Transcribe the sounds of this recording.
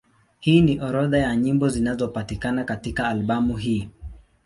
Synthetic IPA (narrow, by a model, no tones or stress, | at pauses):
hiːniʔɔɾɔðajaɲimbɔzinazɔpatikanakatikaːlɓamuɦiː